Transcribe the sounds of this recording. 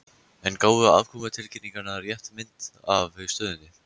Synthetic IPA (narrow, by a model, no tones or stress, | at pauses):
ɛnkoːwðʏa̰vkʰɔmat̪ʰɪlcɪnniŋkanaɾjɛht̪mɪnt̪avœ̥st̪œːðʏnt̪ɪ